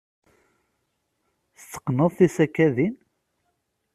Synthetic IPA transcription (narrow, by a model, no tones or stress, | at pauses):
θt͡sːə̥qːnəðˤθisækːæðin